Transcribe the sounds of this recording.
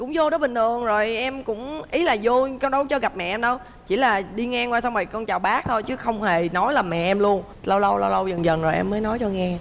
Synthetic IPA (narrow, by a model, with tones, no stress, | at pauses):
kʊ̰˧˥ŋ͡mzo˧ɗɔ˨˦ɓï˨˩ŋ̟t̪ʰɨ˨˩əŋzo˨˩jʔɛ˧mkʊ̰˧˥ŋ͡mʔi˨˦laː˨˩zo˧kɔ˧nɗə˨˦wt͡ɕɔ˧ɣa˨˩p̚mɛ̰˧˨ʔɛ˧mɗə˧w | t͡ɕḭ˧˩laː˨˩ɗi˧ŋɛ˧kwaː˧˩sa˧wŋ͡mma˨˩jkɔ˧nt͡ɕaː˨˩wɓaː˦˥k̚t̪ʰo˧jt͡ɕɨ˨˦xə˧wŋ͡mhe˨˩nɔ˨˦jlaː˨˩mɛ̰˧˨˩ʔɛ˧mlu˧ən | lə˧wlə˧wlə˧wlə˧wzə˨˩nzə˨˩nzo˨˩jʔɛ̰˧mːəː˨˦jnɔ˨˦jt͡ɕɔ˧ŋɛ˧